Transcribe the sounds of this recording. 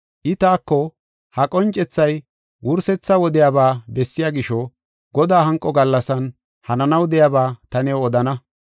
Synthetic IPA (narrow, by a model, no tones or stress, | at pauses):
ʔɪt̪aːkːɔ | hɐkʼɔnt͡ʃʼːɛt͡sːɐj | wʊɾsɛt͡sːɐwɔd̪ɪjaːbaːbɛsːɪjaːɡɪʃɔ | ɡɔd̪aːɦɐŋkʼːɔɡɐlːɐsɐn | hɐnɐnɐwd̪ɛjaːbaːt̪ɐnɛwɔd̪ɐnɐ